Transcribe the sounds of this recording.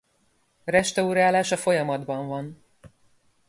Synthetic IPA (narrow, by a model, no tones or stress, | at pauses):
rɛʃt̪ɒuɾaːlaːʃɒfo̞jɒmɒd̪bɒɱvɒn